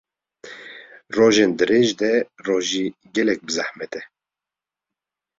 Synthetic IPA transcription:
roːʒeːnd̪ɨɾeːʒd̪ɛroːʒiːɡɛlɛk̚bɨzahmɛt̪ɛ

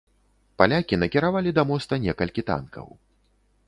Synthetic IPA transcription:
palʲakʲinɐkʲiɾavalʲid̪amɔst̪ɐnʲɛkɐlʲkʲit̪a̰nkʰɐ̰w

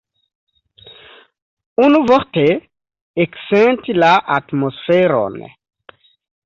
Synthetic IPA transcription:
unuvoɾte | eksentilaʔatmosfeɾo̰n

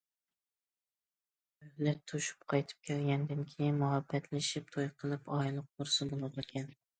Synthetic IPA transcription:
øhlɪt̪ʰuʃy̥pqʰɑjt̪ʰɨ̥p̚kʲʰælɡʲɛnd̪ɪnkʲʰɪjinmuɦɑbːɛt̪ʰlɪʃip̚t̪ʰojqʰəlˠɨpɑjlˠʊq̚ːʊɾsɨbolˠb̪ɨkʲʰɛn

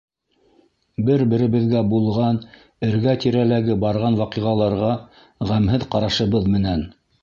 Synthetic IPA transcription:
bɘɾbɘ̆ɾɘ̆βɘ̆ðɡæbulˠʁɑn | ɘ̆ɾɡæt̪iɾælæɡɘbɑɾʁɑnwɑqiʁɑlˠɑɾʁɑ | ʁæmɦɘðqɑɾɑʃɤ̆βɤðmɘ̆næn

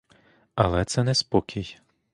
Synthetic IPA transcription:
ɐlˠɛt̪sɛnɛspɔkʲʰij

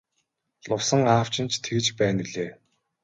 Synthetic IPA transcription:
ɮʊwsə̆ŋaːw̥t͡ɕɪ̆nt͡ɕt̪ʰeɣɘ̆t͡ɕpæːniɮeː

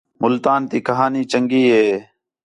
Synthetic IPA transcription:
mʊlt̪aːnt̪iːkəɦaːniːt͡ʃəŋɡiːɦeː

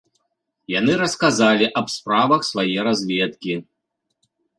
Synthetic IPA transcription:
jan̪ɨɾɐskazalʲiʔɐbspɾavɐxsvajɛɾazʲvʲɛt̪kʲi

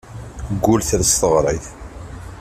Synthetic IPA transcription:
ɡːʊlθləst̪əʁɾˤɑjθ

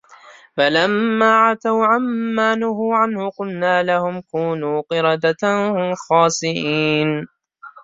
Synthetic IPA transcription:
falamːaːʕat̪awʕamːaːnʊhuːʕanhʊqʊlnaːlahʊmkuːnuːqɨɾˤɑd̪atahʊxɑːsˤɪʔiːn

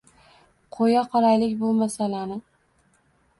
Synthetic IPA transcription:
qʰojaqʰɒɾajlɪkʲbolˠmasalanɪ

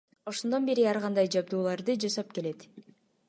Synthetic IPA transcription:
o̞ʃond̪o̞nbe̞ɾiɑɾʁɑnd̪ɑjd͡ʒɑbd̪uːlˠɑɾd̪ɯd͡ʒɑsɑp̚ke̞le̞t̪

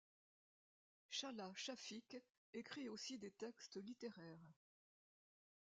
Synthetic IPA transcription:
ʃaʁlaʃafik | ekχiosid̪et̪ɛkst̪əlit̪eʁɛːʁ

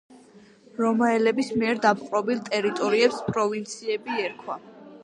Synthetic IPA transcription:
ɾɔmaɛlɛbismiɛɾd̪apqʼɾɔbilˠt̪ʼɛɾit̪ʼɔɾiɛpspʼɾɔvint̪sʰiɛbiɛɾkʰwa

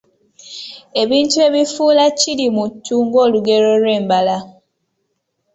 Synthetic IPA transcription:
e̞βiːntue̞βifuːlacilimutːuːŋɡo̞ːluɡe̞ɾo̞lwe̞ːmbala

